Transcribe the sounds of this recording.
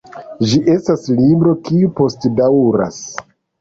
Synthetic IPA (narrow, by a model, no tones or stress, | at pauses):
d͡ʒiʔe̞staslibɾo̞kiupo̞stdawɾa̰s